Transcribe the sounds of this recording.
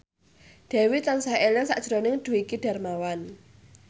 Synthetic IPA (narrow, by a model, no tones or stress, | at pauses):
d̪̥ɛ̤wit̪ansaɛlaŋsaʔd̥ʒ̥ɾonɪŋd̪̥ṳwikiɖ̥a̤rmawan